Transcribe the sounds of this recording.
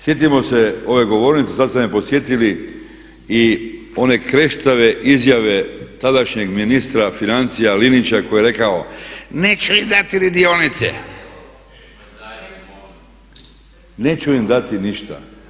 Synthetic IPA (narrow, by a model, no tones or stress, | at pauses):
sje̞t̪̬imo̞seo̞ʋe̞ɡo̞ʋoɾnit̪sesad̪semepo̞sje̞t̪ili | i | o̞ne̞kɾe̞ʃt̪aʋe̞ʔizjaʋe̞t̪ad̪aʃɲeɡminist̪ɾafinant̪sijalinit͡ʃakojeɾe̞kaonet͡ʃuimd̪at̪iɾid̪ionit̪sḛ | net͡ɕuimd̪at̪iniʃt̪a̰